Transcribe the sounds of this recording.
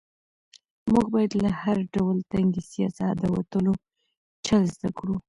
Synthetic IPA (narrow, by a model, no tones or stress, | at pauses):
muɡ̚bɑjad̪lahaɾɖawəlt̪aŋɡesijɑ̰sad̪əwa̰t̪əlo | t͡ʃəlzd̪akɽu